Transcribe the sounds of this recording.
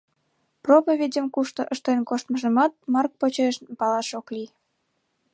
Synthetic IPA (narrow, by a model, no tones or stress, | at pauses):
propəβʲidʲəmkuʃt̪ə̆ʔəʃt̪enkoʃt̪mɤʒə̆mɑt̪̚mɑrk̚pot͡ɕeʃnpɑlɑʃokli